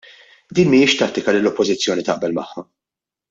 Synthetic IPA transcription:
d̪iːnmɪɪʃt̪ɐt̪ːɪkɐlɪlɔpːɔzɪt͡sːjɔːnit̪ɐʔbɛlmɐħːɐ

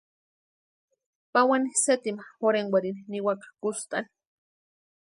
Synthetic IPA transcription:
pawaniset̪imaxoɾeŋwaɾininiwakḁkust̪ani̥

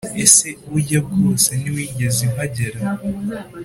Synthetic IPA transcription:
ese̞ujab̚ɡo̞ːseniwiːɲɟe̞zimaɟeɾa

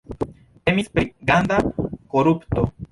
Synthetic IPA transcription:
emispeɡand̪akoɾupt̪o

